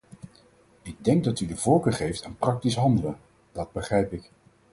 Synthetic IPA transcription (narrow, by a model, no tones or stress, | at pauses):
ɪɡ̚dɛŋɡ̚dɑtydəvɔlˠkəχejftaːnprɑk̚tisɦɑndələ | dɑd̚bəχrɛjpɪk